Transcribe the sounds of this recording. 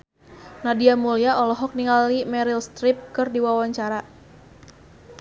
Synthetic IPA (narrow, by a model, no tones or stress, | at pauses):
nadiamuliaʔɔlɔɦɔk̚niŋɡalimɛɾilst̪ɾip̚kɨrdiwawaɲt͡ʃaɾa